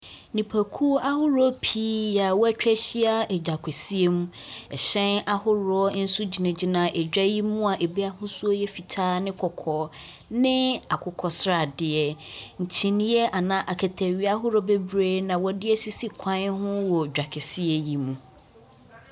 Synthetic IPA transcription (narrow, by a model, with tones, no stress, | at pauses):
nĩ˨pʰa˨kʰu˦a˦hʊ˦ɾɔ˦pʰiː˦ja˨wɔ˦æ˦t͡ɕᶣɛ˦ɕi˦a˦ɛ˨d͡ʑᶣa˨kʷʰɛ˨si˦e˦mũ˦ | ɛ˨ɕɛ̃˦na˦hʊ˦ɾɔ˦ɔ˦n̩˦su˦d͡ʑi˨nã˨d͡ʑi˦nã˨ʔɛ˨d͡ʑᶣa˦ji˦mũ˦a˨ʔe˨bi˦a˦hʊ̃˦su˦o˦jɛ˦fi˨tʰaː˦nɪ̃˦kʰɔ˨kʰɔ˨ | nɪ̃˦a˨kʰʊ˨kʰɔ˨sɾa˨dɪ˨ɛ˨ɲ̩˨t͡ɕʰĩ˨nĩ˦jɛ˦ʔa˨nã˨ʔa˨kʰæ˨tʰæ˨ɥi˦a˦ɦʊ˦ɾɔ˦be˦bɾeː˦nã˨wɔ˨dɪ˦ɛ˦si˦si˦kʷʰã˦n˦hʊ̃˦wɔ˨d͡ʑᶣa˨kʰɪ˨sɪ˦ɛ˨ji˨mũ˨